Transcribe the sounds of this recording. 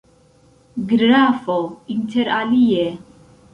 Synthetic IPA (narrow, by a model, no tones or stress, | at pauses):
ɡɾɾaːfɔint̪ʰɛɾalijɛ